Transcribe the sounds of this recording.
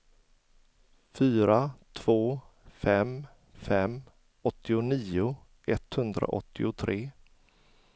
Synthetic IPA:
fyːɾat̪ʰv̥oː | fɛm | fɛm | ɔt̪ːɪʊniːʊ | ʔɛt̪hɵnd̪ɾa̰ʔɔ̰t̪ʰːɪʊt̪ʰɾeː

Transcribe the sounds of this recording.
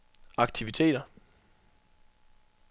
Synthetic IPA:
ɑ̈ɡ̥̚t͡sʰiʋit͡sʰe̝̰ːd̥ɐ

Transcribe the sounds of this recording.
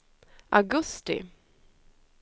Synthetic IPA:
ʔaɡɵst̪ɪ̰

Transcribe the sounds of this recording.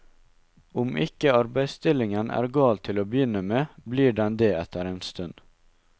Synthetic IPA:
ʊmʔɪkəɑɾbæɪst̪ɪlɪŋənʔæ̰ːɾɡɑːlt̪ʰɪloːbəjʏnəmeːbliːɖɛnd̪eːɛt̪əɾeːnst̪ʉn

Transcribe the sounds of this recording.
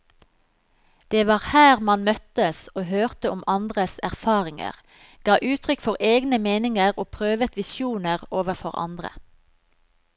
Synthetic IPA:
d̪̥eːʋɑːʁhæːʁmɑnmœt̪əsoːhøːʁt̪əʊmʔɑnd̪ʁəsæʁfɑːʁɪŋə̰ʁ | ɡ̥ɑːʔʉːt̪ʰʁʏkfɔʁeːɡnəmeːnɪŋəʁoːpʰʁøːʋət̪ʋɪsjuːnəʁoːʋəʁfɔʁɑ̰nd̪ʁə̰

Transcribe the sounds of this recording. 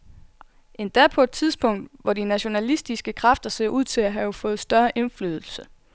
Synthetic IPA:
ʔe̝nd̥æɐ̰pʰɒ̽e̝d̥̚t͡sʰið̞ˠsb̥ɔ̽ŋ̰d̥ʋɒdinæɕo̝nælisd̥isɡ̥əkʰʁɑfd̥ɐse̝ɐ̰ʔuð̰ˠt͡sʰe̝læɦæjo̝fɔ̽ːð̩ˠsd̥ɶɐʔe̝nfly̰ːðˠl̩sə

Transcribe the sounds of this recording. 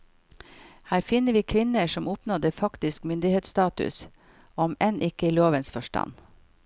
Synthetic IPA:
hæːɾfɪnəʋiːkʰʋɪnəʃɔmʊpnɔd̪əfɑkt̪ɪskmʏnd̪ɪheːt̪st̪ɑːt̪ʉ̰s | ɔmʔenʔɪkəiloːʋənsfɔʃʈɑ̰n

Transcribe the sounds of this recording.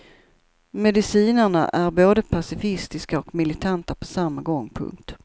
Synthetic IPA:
mɛd̪ɪsiːnəɳa̰ʔæɾboːd̪əpʰasɪfɪst̪ɪskaɔkmɪlɪt̪ʰant̪apʰɔsamːaɡɔŋːpʰɵ̰ŋk̚t̪

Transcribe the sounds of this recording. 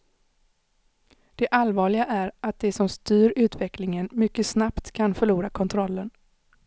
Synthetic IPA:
d̪̥ɛʔalvɑːɭɪɡaʔæɾat̪̚d̪ɛsɔmst̪yːɾʉ̟ːt̪vɛklɪŋənmʏkːəsnapt̪kʰanfœɭuːɾakʰɔnt̪ʰɾɔlːən

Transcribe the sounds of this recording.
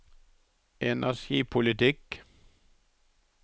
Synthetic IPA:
ɛnʔæʃiːpʰʊlɪt̪ɪk

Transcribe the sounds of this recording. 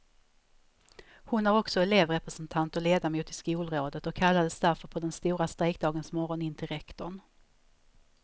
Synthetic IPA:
hʊnhaɾɔksɔɛleːvɾɛpɾɛsənt̪ʰant̪ɔleːd̪amuːt̪ɪskuːlɾoːd̪ət̪ɔkʰːalːad̪əsd̪æɾfœɾpʰɔd̪ɛnst̪uːɾast̪ɾɛjk̚d̪ɑːɡənsmɔɾɔnɪnt̪ʰɪɾɛkt̪ɔɳ

